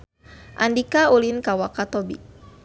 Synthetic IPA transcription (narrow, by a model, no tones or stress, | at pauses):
ʔandikaulinkawakat̪ɔbḭ